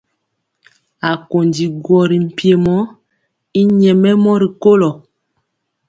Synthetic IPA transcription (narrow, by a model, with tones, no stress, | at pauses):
a˨ko˨ndi˨ɡwɔ˨ɾi˨m̩˨pje˨mɔ˦ | i˦ɲɛ˨mɛ˦mɔ˦ɾi˨ko˦lɔ˨